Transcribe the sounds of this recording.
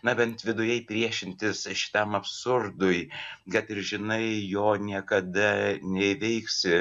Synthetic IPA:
nɐbʲɛnt̪ʋʲɪd̪ʊjɛɪpʲɾʲiɛʃʲɪnʲt̪ʲɪsʃʲɪ̥t̪ɐmɐpsʊrd̪ʊɪɡɛt̪ɪɾʒʲɪnɐɪjoːnʲiɛkɐd̪ɐnʲɛɪʋʲɛɪksʲɪ

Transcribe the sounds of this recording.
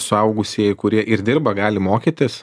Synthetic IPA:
sʊɐʊɡʊsʲiɛɪkʊɾʲiɛʔɪɾd̪ʲɪɾbɐɡɑːlʲɪmoːkʲit̪ʲɪs

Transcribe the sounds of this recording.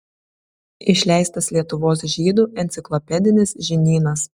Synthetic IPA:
ɪʃʲlʲæˑɪst̪ɐslʲiɛt̪ʊʋoːs̬ʒʲiːd̪uːʔɛnʲt̪ʲɪklˠɔpʲɛd̪ʲɪnʲɪsʒʲɪnʲiːnɐs

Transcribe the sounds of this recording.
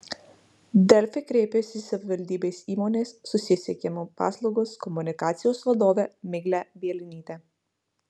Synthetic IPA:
d̪ɛlʲfɛkɾʲeːpʲesisɐʋʲɪʋʲɛlʲd̪ʲiːbesiːmɔnʲesːʊsʲisʲɛkʲɛmopa̰slˠuɡoskɔmunʲɪkaːt̪sʲijosʋlˠɐd̪ɔːʋʲɛmɪɡlʲɛbʲiɛlʲɪnʲiːt̪ɛ

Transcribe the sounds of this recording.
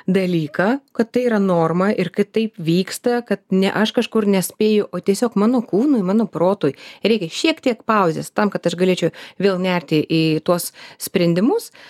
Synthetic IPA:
d̪ɐlʲiːkɑːkɐt̪t̪ːɐɪiːɾɐnoːrmɐʔɪrkɐɪt̪ɐɪpʋʲiːkst̪ɐkɐt̪̚nʲɛ̰ʔɐʃkɐʃkʊrnʲɛsʲpʲeːjʊʔoːt̪ʲiɛsʲoːkmɑːnoːkuːnuːɪmɑːnoːproːt̪oːjɾʲɛɪkʲɛʃʲiɛkt̪ʲiɛkpɐʊzʲest̪ɐmkɐt̪ɐʃɡɐlʲeːt͡ʃʲɛʊʋʲeːlˠnʲɛrʲt̪ʲɪʔiːt̪uɔssʲpʲɾʲɛnʲd̪ʲɪmʊs

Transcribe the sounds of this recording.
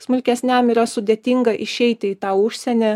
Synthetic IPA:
smʊlʲkʲɛsʲnʲɛmiːɾɐsʊd̪ʲeɛt̪ʲiŋɡɐʔɪʃʲɛɪt̪ʲɪɪt̪ɑːʊʃʲsʲɛnʲɛ

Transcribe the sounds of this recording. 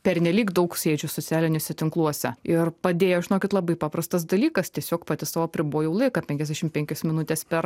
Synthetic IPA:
pʲɛɾʲnʲɛlʲiːkd̪ɐʊksʲeːd͡ʒʲʊsot͡ssʲæːlʲɪnʲoːsʲɛt̪ʲɪŋklˠuɔsʲɛ̰ɪɾpɐd̪ʲeːjoːʒʲɪnoːkʲɪt̪lˠɐbɐɪpɑːpɾɐst̪ɐs̬d̪ɐlʲiːkɐst̪ʲiɛsʲoːkpɑːt̪ʲɪsɑːʋoːɐpʲɾʲɪboːjɛʊlˠɐɪkɐpʲɛŋkʲɛzʲd̪ʲæːʃʲɪmpʲɛŋʲkʲosmʲɪnʊt̪ʲeːspʲɛɾ

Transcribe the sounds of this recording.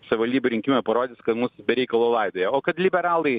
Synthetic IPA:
sɐʋʲɪʋɐlʲd̪ʲibʲʊɾʲɪŋʲkʲmʲɛpɐɾoːd̪ʲɪskɐt̪musbʲɛɾʲɛɪkɐlˠoːlˠɐɪd̪oːjɛoːkɐt̪lʲɪbʲɛɾɑːlˠɐɪ

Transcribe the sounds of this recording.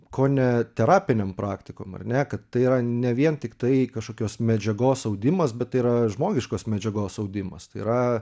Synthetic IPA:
kʰoːnʲɛt̪ʲɛɾɑːpʲɪnʲempɾɑːkt̪ʲɪkoːmɐ̰rnʲɛkɐt̪tɐɪiɾɐnʲɛʋʲiɛnt̪ʲɪkt̪ɐɪkɐʃkoːkʲoːsmʲɛd͡ʒʲɛɡoːsɐʊd̪ʲɪmɐsbʲɛt̪̚ːɐɪiɾɐʒmoːɡʲɪʃkoːsmʲɛd͡ʒʲɛɡoːsɐʊd̪ʲɪmɐ̰st̪ɐɪiɾɐ

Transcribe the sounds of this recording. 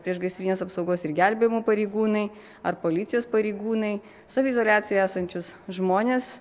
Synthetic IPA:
pʲɾʲiɛʃɡɐɪst̪ʲɾʲiːnʲeːsɐpsɒʊɡoːsɪɾɡʲæˑlʲbʲeːjmuːpɐɾʲɛɪɡuːnɐɪ | ɐɾpoːlʲɪt̪sʲɪjoːspɐɾʲɛɪɡuːnɐɪ | sɑʋʲeɪzoːlʲæːt̪sʲɪjojæːsɐnʲt͡ʃʲʊsʒmoːnʲeːs

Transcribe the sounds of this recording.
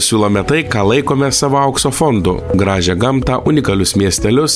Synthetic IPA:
sʲuːlˠoːmʲɛt̪ɐɪkɑːlˠɐɪkoːmʲɛsɑːʋoːɐʊksoːfond̪ʊ̰ɡɾɑːʒʲɛɡɐmt̪ɑʔʊnʲɪkɐlʲʊsmʲiɛsʲt̪ʲɛlʲʊs

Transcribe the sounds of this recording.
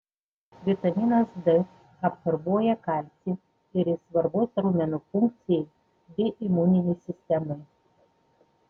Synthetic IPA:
ʋʲɪt̪ɐmʲinɐsd̪ɨ | ɐpsɐɾbuɔjɛkɐˑlʲsʲɪ | ɪɾɪsʋɐɾboːsʲɾuːmʲɛnufʊŋk̚t̪sʲɪjɛɪ | bʲɪʔɪmunʲɪnʲɛsʲɪsʲt̪ʲɛmɐɪ

